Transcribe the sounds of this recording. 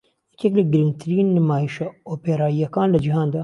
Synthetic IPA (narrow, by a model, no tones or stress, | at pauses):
jɛkɛklɪɡɨɾɪŋɡ̚t̪ʰɨɾiːnːmaːjiʃɐoːpeɾaːjɛkaːnlɪd͡ʒɪɦaːnd̪ɐ